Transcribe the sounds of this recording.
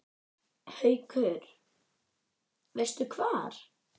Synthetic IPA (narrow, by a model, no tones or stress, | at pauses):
hœɥkʰœːɾ | vest̪ʏkʰvaːɾ̥